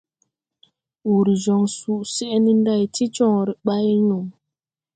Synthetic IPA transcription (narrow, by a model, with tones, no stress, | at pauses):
wu˨ɾi˨zɔ˨ŋsu˨ʔsɛ˦ʔni˦n˦da˦˨jti˦t͡ʃɔ˦˨ŋ˨ɾi˨ɓa˦jnu˨ŋ